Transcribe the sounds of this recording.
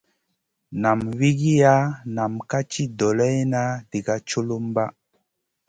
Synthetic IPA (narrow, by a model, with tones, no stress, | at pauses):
na˨mwi˦ɡi˦ja˦na˨mka˦t͡ʃi˦dɔ˨lɛ˦jna˦di˨ɡa˦t͡ʃo˦lo˦mba˦